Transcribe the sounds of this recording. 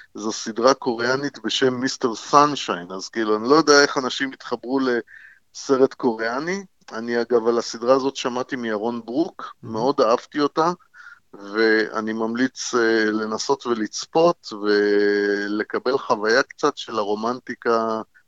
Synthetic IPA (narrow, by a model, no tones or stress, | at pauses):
zosidʁako̞ʁeanit̪be̞ʃe̞mːist̪e̞ʁsanʃajnazkiiluanilo̞jo̞deae̞χanaʃimit̪χabʁule̞ | se̞ʁe̞t̪ko̞ʁeani | aniaɡavalasidʁaːzo̞t̪ʃamat̪imiaʁo̞nbʁukme̞o̞d̪aavt̪io̞ta | ve̞a̰nimamlit͡sle̞naso̞tve̞lit͡spo̞t̪ve̞ | le̞kabe̞lχavajakt͡satʃe̞laʁo̞mantika